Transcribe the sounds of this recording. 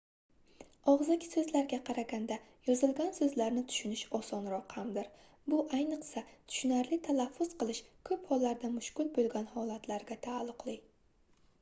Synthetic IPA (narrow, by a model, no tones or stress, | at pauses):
ɒʁzɪkʲʰsɵzlaɾɡʲaqʰɑɾaɡʲand̪ajɒzɪlˠɡʲansɵzlaɾnɪt̪ʰʊ̥ʃʊnɪʃɒsɒnɾɒqhamd̪ɪɾ | bʊʔajnɨqsat̪ʰʊ̥ʃʊnaɾlɪt̪ʰalafːʊz̥qɨlˠɪʃkʰɵphɒlːaɾd̪amʊʃkʲʊlˠbolˠɡʲanhɒlˠat̪ʰlaɾɡʲat̪ʰaːlˠːʊqlˠɪ